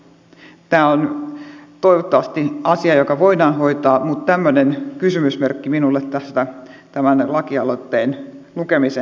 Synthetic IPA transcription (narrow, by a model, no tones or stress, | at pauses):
t̪æːon | t̪oiʋot̪ːɑʋɑst̪iɑsiɑjokɑʋoidɑːnhoit̪ɑːmut̪t̪æmːønenkysymysmerkːiminulːet̪t̪æst̪æ | t̪æmænlɑkiɑlot̪ːeːnlukemise